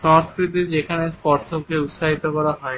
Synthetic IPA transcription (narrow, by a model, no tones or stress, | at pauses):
ʃɔŋskɾit̪id͡ʑekʰanespɔɾsʰokeut̪ʃaɦit̪okɔɾaɦɔe